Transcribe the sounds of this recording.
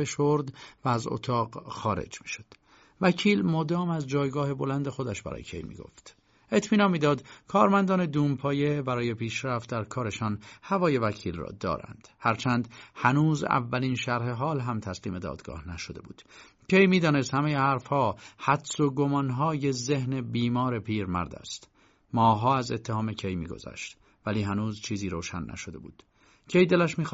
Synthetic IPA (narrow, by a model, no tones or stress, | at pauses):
eʃoɾd̪væːzo̰t̪ʰɒːqxɒːɾḛd͡ʒmiːʃo̥d̪̥ | væcʰiːlmod̪ɒːmæzd͡ʒɒːjɡɒːhe̞bo̞lænd̪e̞xo̞d̪æʃbæ̰ɾɒ̰ːjecʰe̞̰jmḭːɡo̰ft̪ | e̞t̪ʰmiːnɒnmiːd̪ɒːd̪kʰɒːɾmænd̪ɒːne̞d̪uːmpʰɒːje̞bæɾɒːje̞pʰiːʃɾæft̪̚d̪æɾkʰɒːɾe̞ʃɒnhævɒːje̞væcʰiːlrɒ̰ːd̪ɒ̰ːɾæ̰nd̪̥hæɾt͡ʃʰænd̪hænuːzæ̰vːælinʃæɾɦe̞ɦɒːlɦæmt̪ʰæsliːme̞d̪ɒ̰ːd̪̥ɡɒ̰ːhnæʃod̪e̞̰bṵːd̪̥ | cʰe̞jmiːd̪ɒːne̞st̪hæmejehæɾfhɒːhæd̪soɡo̞mɒnɦɒːjezehne̞biːmɒːɾe̞pʰiːɾmæ̰ɾd̪æ̰st̪ | mɒːɦɒːæzet̪ʰːehɒːme̞cʰejmḭːɡo̞̰zæ̰ʃt̪ | væliːɦænuːzt͡ʃʰiːziːɾoːʃænːæ̰ʃod̪e̞̰bṵːd̪̥ | cʰe̞jd̪e̞læʃmiːx